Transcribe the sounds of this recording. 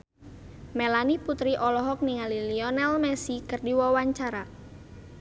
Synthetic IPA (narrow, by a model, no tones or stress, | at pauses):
melaniput̪ɾiʔɔlɔɦɔk̚niŋaliliɔnɛlmɛsikərdiwɔwaɲt͡ʃaɾa